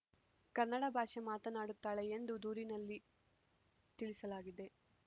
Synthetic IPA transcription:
kɐɾnɐɽɐbʱaːʂemaːt̪ɐnaːɽut̪ːaːɭeend̪ud̪uːɾinɐlːi | t̪iɭisɐlaːɡid̪e̞

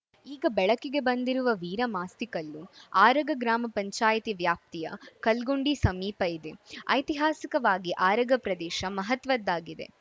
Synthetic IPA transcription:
iːɡɐbɛɭɐkːiɡe̞bɐnd̪iɾuʋɐʋiːɾɐmaːst̪ikɐlːuaːɾɐɡɐɡɾaːmɐpɐɲt͡ʃaːjt̪iʋjaːp̚t̪ijɐ̰kɐlɡuɳɖisɐmiːpɐid̪eɐ̰jt̪iɦaːsikɐʋaːɡiʔaːɾɐɡɐpɾɐd̪ɛːʃɐmɐɦɐt̪ʋɐd̪ːaːɡid̪e̞̰

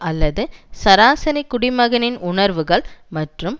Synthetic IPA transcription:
ɐlːɐðɯsɐɾaːsɐnɪkːʊɽɪmɐɣɐnɪnʊɳɐɾʋɯɣɐɭmɐʈrɯm

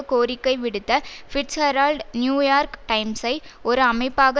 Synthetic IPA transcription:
koːɾɪkːɐɪʋɪɽɯt̪ːɐfɪʈshɐɾaːlɖnjuːjaːɾkʈɐɪmsɐɪ | ɔɾɯɐmɐɪpːaːɣɐ

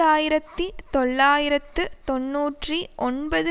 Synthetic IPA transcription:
aːjɪɾɐt̪ːit̪ɔɭːaːjɪɾɐt̪ːɯt̪ɔnːuːʈriʔɔnbɐðɯ

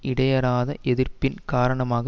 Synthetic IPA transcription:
ɪɽɐjɐɾaːðɐʔɛðɪrpɪnkaːɾɐɳɐmaːɣɐ

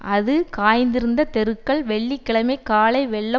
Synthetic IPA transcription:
ʔɐðɯkaːjnd̪ɪɾɯnd̪ɐt̪ɛɾɯkːɐɭʋɛɭːikːɪɭɐmɐɪkːaːɭɐɪʋɛɭːɐ

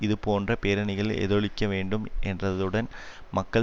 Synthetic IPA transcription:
iðɨpo̞ːɳdrɐpeːɾɐɳiɣɐɭḛðoɭikʲːɐʋe̞ːɳɖume̞̰ndɐðuɽɐn | mɐkːɐ

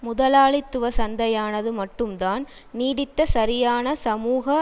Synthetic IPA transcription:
mʊðɐlaːɭɪt̪ːɯʋɐsɐnd̪ɐjaːnɐðɯmɐʈːɯmd̪aːn | niːɽɪt̪ːɐsɐɾɪjaːnɐsɐmuːɣɐ

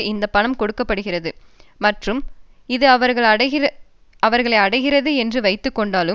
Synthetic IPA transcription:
ɪnd̪ɐpːɐɳɐmkɔɽɯkːɐpːɐɽɯɣɪrɐðɯ | mɐʈrɯm | ɪðɯɐʋɐɾɣɐɭɐɪ | ɐʋɐɾɣɐɭɐɪɐɽɐɪɣɪrɐðɯɛndrɯʋɐɪt̪ːɯkːɔɳɖaːlɯ

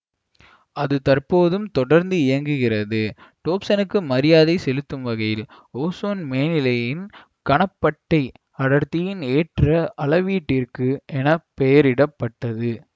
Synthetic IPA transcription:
ɐðɯt̪ɐrpoːðɯmt̪ɔɽɐɾnd̪ɯɪjɐŋɡɯɣɪrɐðɯʈoːpsɐnɯkːɯmɐɾɪjaːðɐɪsɛlɯt̪ːɯmʋɐɣɐjɪl | oːsoːnmeːnɪlɐjɪn | kɐɳɐpːɐʈːɐɪ | ɐɽɐɾt̪ːɪjɪneːʈrɐʔɐlɐʋiːʈːɪrkɯʔɛnɐpɛjɐɾɪɽɐpːɐʈːɐðɯ

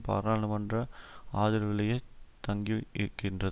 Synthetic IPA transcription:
pa̰ːɾaːnɐmɐndrɐaːðɪɾɯɣɐɭɐjet̪ɐŋɡiɪɾɯkːɪndrɐ

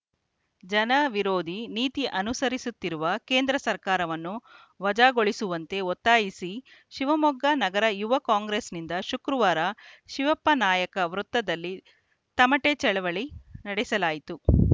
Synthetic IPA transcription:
d͡ʒɐnɐʋiɾo̞ːd̪ʱiniːt̪iʔɐnusɐɾisut̪ːiɾuʋɐke̞ːnd̪ɾɐsɐɾkaːɾɐʋɐnːu | ʋɐd͡ʒaːɡoɭisuʋɐnt̪e̞ɔt̪ːaːjisi | ʃiʋɐmɔɡːɐnɐɡɐɾɐjuʋɐkaːŋɡɾeːsnind̪ɐʃukɾuʋaːɾɐʃiʋɐpːɐnaːjɐkɐʋɾut̪ːɐd̪ɐlːi | t̪ɐmɐʈet͡ʃɛɭɐʋɐɭinɐɽɛsɐlaːjit̪u

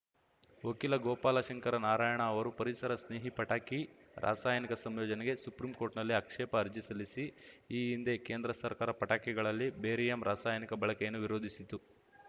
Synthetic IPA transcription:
okilɐɡɔːpaːlɐʃɐŋkɐɾɐnaːɾaːjɐɳɐːʋɐɾupɐɾisɐɾɐsneːɦipɐʈaːkiɾʔa̰ːsaːjɐnikɐsɐmjɔːd͡ʒɐnɛɡe̞supɾimkoːɾʈnɐlːiɐkʂɛːpɐːɾd͡ʒisɐlisiiːind̪e̞ke̞ːnd̪ɾɐsɐɾkaːɾɐpɐʈaːkɛɡɐɭɐlːibeːɾijɐmɾʔaːsaːjɐnikɐbɐɭɐkɛjɐnːuʋiɾo̞ːd̪ʱisit̪ːu

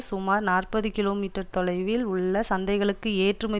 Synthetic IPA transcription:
sʊmaːɾnaːrpɐðɯkɪloːmiːʈːɐɾt̪ɔɭɐɪʋɪlʊɭːɐsɐnd̪ɐɪɣɐɭɯkːɯeːʈrɯmɐ

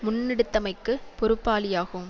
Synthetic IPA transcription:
mʊnːɪɽɯt̪ːɐmɐɪkːɯpɔɾɯpːaːlɪjaːɣɯm

